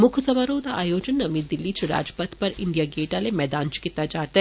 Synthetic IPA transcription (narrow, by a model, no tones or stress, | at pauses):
mʊkʰsɐmaɾoːd̪aʔaːjoːd͡ʒənːɐmiːt̪̚d̪ɪlːit͡ʃʰɾa̰ːd͡ʒpɐt̪pɐɾɪ̰̃ɳɖijaɡeːʈalemɛːd̪aːnt͡ʃkɪt̪ːad͡ʒaːɾt̪e